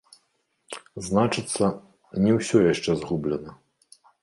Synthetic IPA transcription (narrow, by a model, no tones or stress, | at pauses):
znat͡ʂɨt̪sːɐ | nʲɛwsʲɔjaʂt͡ʂɛzɣublʲɛnɐ